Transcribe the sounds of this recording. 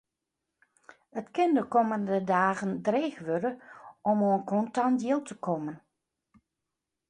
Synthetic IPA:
ətkɪndəkoməndədaːɣəndreːxʋødəɔmonkʰɔntandjɪlˠtʰəkʰomən

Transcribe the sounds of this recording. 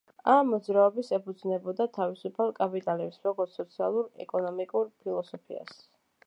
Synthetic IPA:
amːɔd̪zɾaɔbisɛpʰud̪znɛbɔd̪at̪ʰavisupʰalˠkʼapʼit̪ʼalɛpsɾɔɡɔɾt̪sɔt̪sʰia̰lˠuɾɛ̰kʼɔnɔmikʼuɾpʰilˠɔsɔpʰḭa̰s

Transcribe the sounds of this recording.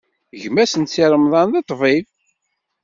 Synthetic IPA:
ʝmæsənt̪t͡sːiɾˤəmðˤɑnðˤet̪ˤːviv

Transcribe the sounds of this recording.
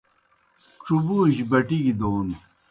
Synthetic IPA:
ʈ͡ʂubuːʑbɐʈiɡid̪oːn

